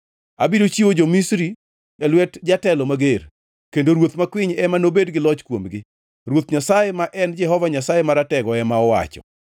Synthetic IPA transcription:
abidot͡ʃiwod͡ʒomisɾi | ɛlwɛtd͡ʒatɛlɔmaɡer | kendoɾwot̪makwɪɲɛmanobedɡɪlɔt͡ʃkwomɡɪ | rwot̪ɲasajemaʔɛnd͡ʒɛɦɔvaɲasajemaɾatɛɡɔɛmaɔwa̰t͡ʃɔ̰

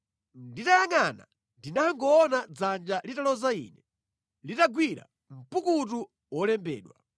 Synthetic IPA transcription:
nditajaŋana | ndinaŋɡɔːnad͡zand͡ʒalitalɔzaḭnɛ | litaɡwiɾa̰ | m̩pukutu | wɔlɛmbɛ̰ːɗwa̰

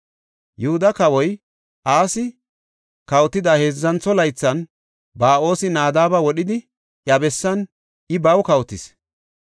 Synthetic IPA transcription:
jʊhʊd̪ɐkɐwɔj | ʔaːsɪ | kɐwt̪ːɪd̪ɐheːzːɐnt͡sːɔlɐjt͡sːɐn | baːʔo̞ːsɪnaːd̪aːbɐwɔɗɪd̪ɪ | ʔjɐbɛsːɐn | ɪbɐwkɐwt̪ɪs

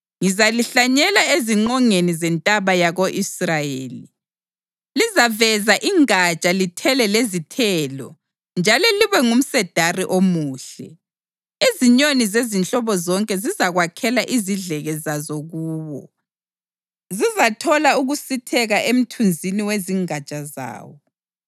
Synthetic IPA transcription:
ŋizaliɬaɲɛlaeziŋ͡ǃɔŋenizɛntʼaβajaɣoʔisrajeːli | lizavɛzaʔiŋat͡ʃʼalitʰɛlɛlezitʰɛːlɔ̰ | nd͡ʒʱalɔliβɛŋum̩sɛd̥ʱariʔomuːɬɛ̰ | eziɲonizezint͡ɬʼɔβɔzɔŋkʼɛzizaɣwakʰɛlaʔiziɮɛɣɛzazoɣuːβɔ̰ | zizatʰɔlauɣusitʰɛɣaʔem̩tʰund͡zʱiniweziŋat͡ʃʼaza̰ːwɔ

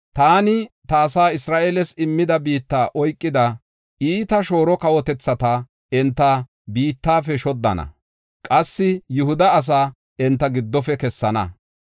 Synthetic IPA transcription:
t̪aːnɪt̪aːsaːɪsɾaːʔeːlɛsɪmːɪd̪ɐbiːt̪ːaːʔɔjkʼːɪd̪ɐ | ʔiːt̪ɐʃo̞ːɾɔkɐwɔt̪ɛt͡sːɐt̪a | ɛnt̪ːɐ | biːt̪ːaːfɛʃɔd̪ːɐ̰nɐ̰ | kʼɐsːɪjʊhʊd̪ɐːs̬aː | ɛnt̪ːɐɡɪd̪ːɔfɛkɛsːɐnɐ̰

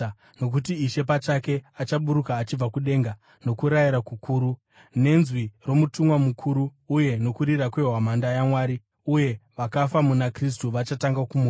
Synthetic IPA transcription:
no̞k̬utiːʃe̞pat͡ʃake̞at͡ʃaɓuɾukaːt͡ʃib͡vakuɗe̞ŋɡa | no̞kuɾaiɾakukʰuːɾu | ne̞nzwiro̞mutumwamukʰuɾuːje̞no̞kuɾirakwe̞ɦwamandajamwaːɾi | uje̞ʋakafamunakris̬tuʋat͡ʃataŋɡakumu

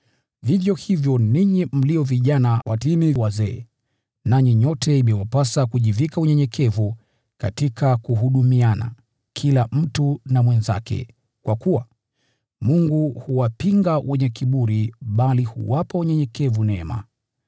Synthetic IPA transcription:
vivjɔhivjɔniɲim̩liɔviʄanawʔatimiwazɛː | naɲiɲɔtɛimɛwapasakuʄivikauɲɛɲɛkʰɛvu | katikʰakuɦuɗumiana̰ | kʰilam̩tunamwɛnza̰kɛ̰ | kwakuwa | muŋɡuhuwapiŋɡawʔɛɲɛkiɓuɾiɓalihṵwapauɲɛɲɛkɛvunɛma̰

